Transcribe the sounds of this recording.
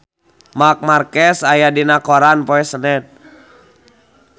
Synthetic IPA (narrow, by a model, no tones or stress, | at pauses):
mak̚markɛsajadinakɔɾanpɔɛsənɛt̪̚